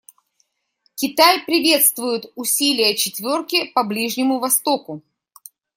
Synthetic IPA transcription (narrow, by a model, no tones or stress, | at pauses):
kʲɪt̪ajpɾʲɪvʲe̞t̪st̪vʊjʊt̪ʊsʲilʲɪjət͡ɕɪt̪vʲo̞rkʲɪpɐblʲiʐnʲɪmʊvɐst̪o̞kʊ